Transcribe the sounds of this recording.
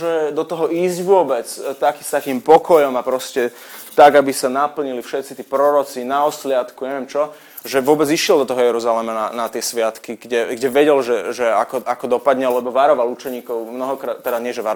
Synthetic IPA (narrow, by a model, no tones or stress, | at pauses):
ʒɛd̪ɔt̪ɔɦɔiːzɟʋʊɔbɛt͡st̪akist̪akiːmpɔkɔjɔmapɾɔscɛ | t̪aɡabisanapl̩ɲilifʃɛt̪t͡sit̪iːpɾɔɾɔt͡sinaɔslɪat̪kuɲɛʋɪɛmt͡ʃɔ | ʒɛʋʊɔbɛd͡ziʃɪɛlˠd̪ɔt̪ɔɦɔjɛɾuzalɛmananat̪ɪɛsʋɪat̪kiɡ̥ɟɛɡɟɛʋɛɟɛlʒɛʒɛakɔʔakɔd̪ɔpad̪ɲɛlɛbɔʋaɾɔʋalut͡ʃɛɲiːkɔʊmnɔɦɔkɾaːt̪ːɛɾazɲɪɛʒɛʋaɾ